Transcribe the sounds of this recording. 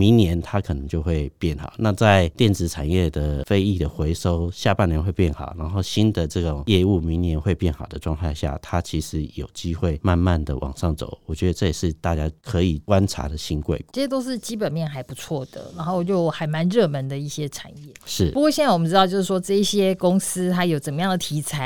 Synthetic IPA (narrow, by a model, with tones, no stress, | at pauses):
mi˧˥ŋnjɛ˧˦nt̪ʰa˦kʰɤ˨˩nə˧˦ŋt͡ɕjo˥˧xwe˥˧ɪpjɛ˥˩nxɑ̰˨˩˦ʊna˥˧t͡sa˥˩ɪt̪jɛ˥˩nt͡sɻ̩˧˥t͡sʰa˨˩njɛ˥˩d̪ə˩fe˥ɪi˥˩d̪ə˩xwe˧˥ɪʂo˥ʊɕja˥˧pa˥˩njɛ˧˥nxwe˥˧ɪpjɛ˥˩nxɑ̰˨˩˦ʊna˧˥nxo˥˧ʊɕi˦˥nd̪ə˨ʈ͡ʂɤ˥˩ɡo˨˩ŋjɛ˥˧u˥˩mi˧˥ŋnjɛ˧˥nxwe˥˧ɪpjɛ˥˩nxɑ˨˩ʊd̪ə˦ʈ͡ʂwɑ˥˧ŋt̪ʰa˥˧ɪɕja̰˥˩t̪ʰa˦t͡ɕʰi˧˥ʂɻ̩˧˦jo˨˩ʊt͡ɕi˦˥xwe˥˩ɪma˥˧nma˥˨nd̪ə˩wʔɑ̰˨˩ŋʂɑ˥˩ŋt͡so̰˨˩˦wɔ˨˩t͡ɕɥɛ˧˥d̪ə˧t͡sɤ˥˩jɛ˨˩ʂɻ̩˥˧t̪a˥˧t͡ɕja˦˥kʰɤ˧˦i˨˩kwa˦˥nʈ͡ʂʰa̰˧˥d̪ə˨ɕi˥nkwḛ˥˩ɪə˥e˥t̪̬o˥ʊʂɻ̩˥˨t͡ɕi˥pə˨˩nmjɛ˥˩nxa˧˥ɪpu˧˥t͡sʰwɔ˥˩d̪̥ə̰˩na˧˥nxo˥˧t͡ɕjo˥˩ʊxa˨˩ɪma˧˦nɻɤ˥˩mə˧˦nd̪ə˨i˥˩ɕjɛ˦˥ʈ͡ʂʰa̰˨˩njɛ˥˩ʂɻ̩˥˩pu˧˥kwɔ˥˩ɕjɛ˥˩na˥˩wm˦nʈ͡ʂɻt̪ɑ˧ʊt͡ɕjo˥˧ʊʂ̬̩˥˩ʂwɔ˥ʈ͡ʂɤ˥˧i˥˩ɕjɛ˦kʊ˥ŋs̩˥t̪ʰa˧˥ɪjo˨˩ʊt͡sə˨˩mə˦jɑ˥˩ŋd̪ə˩t̪ʰi˧˥t͡sʰa˨˩˦